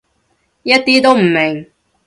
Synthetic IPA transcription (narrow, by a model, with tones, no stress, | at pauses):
jɐ˥t̚t̪iː˥t̪o˥wm̩˨˩mɪ˨˩ŋ